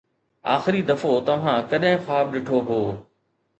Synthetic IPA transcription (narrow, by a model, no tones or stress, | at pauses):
a̰ːxɪɾid̪ɐfot̪ɐʋ̤ãːkɐɗɦɪ̃xaːb̚ɗɪʈʰoɦoː